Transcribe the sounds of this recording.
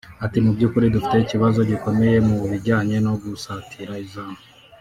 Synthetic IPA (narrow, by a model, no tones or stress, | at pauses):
atimubɟuːkuɾidufi̥te̞iciβazo̞ɟiko̞me̞je̞muβiɟaːɲe̞no̞ɡusatʰiɾaizaːn̥u